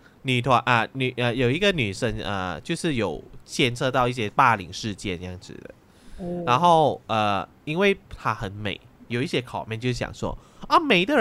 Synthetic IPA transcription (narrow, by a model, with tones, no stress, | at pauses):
ny˨˩t̪ʰwa˧˥nʔə˧ny˨˩ʔə˧jo˨˩ʊi˧˥ɡə˧ny˨˩ʂə˧˥ŋə̰˧t͡ɕjo˥˧ʊʂɻ̩˥˩jo˨˩ʊt͡ɕʰjɛ˥˧nt͡sʰɤ˥˧t̪ɑ˥˧ʊi˥˩ɕjɛ˧˥pa˥˩lḭ˨˩ŋʂɻ̩˥˧t͡ɕjɛ˥˩n˥jɑ˥˩ŋʈ͡ʂɻ̩̰˩d̪ə̰˩ | ɻa˧˥nxo˥˩ʊə˧˩ | i˥nwe˥˩ɪt̪ʰa˥xə˧˥nmḛ˨˩ɪjo˨˩ʊi˥˩ɕjɛ˧˥kʰɑ˨˩ʊmjɛ˥˧nt͡ɕjo˥˧ʂjɑ̰˨˩ŋswɔ̰˥ | ɐ˥˩me˨˩ɪd̪ə˧